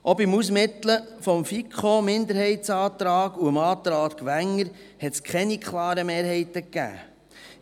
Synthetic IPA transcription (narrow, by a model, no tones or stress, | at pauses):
ʔɔbɪmusmɪt̪lə | fɔmfikχomɪnd̪əɾhɛɪt̪sɑːt̪ɾɑːɡ̥uəmɑːt̪ɾɑːt̪kʋæŋːəɾ | hɛt̪skχɛnikʰχlɑːɾəmeːɾhɛɪt̪əkːæ̰ː